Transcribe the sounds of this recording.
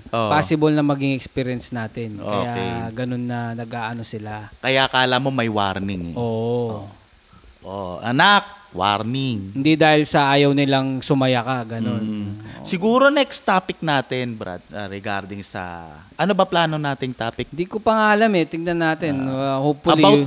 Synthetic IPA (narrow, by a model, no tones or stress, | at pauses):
ʔopaːsɪbɐlnɐmɐɡɪŋɛkspiːɾjɐnsnaːt̪ɪnʔkɐo̰jakɛɡɐno̞nːɐnɐɡʔaːʔɐno̞sɪlakɐjakaːlamo̞mɐjwa̰ɾnɪŋʔoːʔ | ʔoʔɐ̰nak̚wa̰ɾnɪŋhɪnd̪id̪aːhɪlsɐʔaːjɐwnɪlɐŋsʊmɐjɐkɐɡɐno̞nsɪɡuːɾonɛkst̪aːpɪk̚naːt̪ɪnbɾa̰d̪̚ɐɾɛɡaɾd̪ɪŋsɐ̰ | ʔɐnobɐplaːno̞naːt̪ɪŋt̪aːpɪk̪d̪ikopɐŋaːlɐmɛt̪ɪŋnɐnːaːt̪ɪnɐhopːʊlia